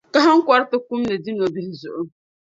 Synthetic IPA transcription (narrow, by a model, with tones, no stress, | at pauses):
ka˦ɦa˦ŋ̩˦kʷa˦ɾtɨ˦ku˦mnɨ˨di˦no˨bi˦hzʊ˨ʔʊ˦